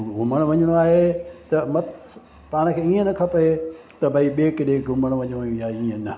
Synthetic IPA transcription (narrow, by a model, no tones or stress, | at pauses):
ɡʱʊməɽ̃ʋɐɲəɽ̃oaːɦet̪ɐmɐt̪ | paːɽ̃ə̆kʰeːiːə̃nɐkʰɐpɐe | t̪ɐbʱaiɓeːkɗeɡʱʊməɽ̃ʋɐ̃ɲɽ̃jũjaːeiːə̃nɐ